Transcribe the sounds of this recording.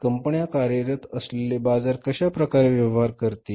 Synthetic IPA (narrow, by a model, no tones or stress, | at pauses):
kəmpəɳjakaɾjəɾət̪əslelebad͡zaɾkəɕapɾəkaɾeʋjəʋɦaɾkəɾt̪i